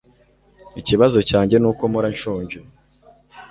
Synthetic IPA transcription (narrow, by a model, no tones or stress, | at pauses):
iciβazo̞caːɲɟe̞nuːko̞muɾaɲʃoːɲɟo